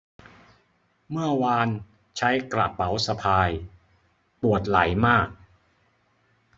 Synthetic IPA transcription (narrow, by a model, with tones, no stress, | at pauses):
mɯ˥˩ɐwaː˧n | t͡ɕʰa˦˥jkla̰˨˩p̚ːa˩˦wsa˧pʰaː˧j | pu˨˩ət̪̚la˩˦jmaː˥˩k̚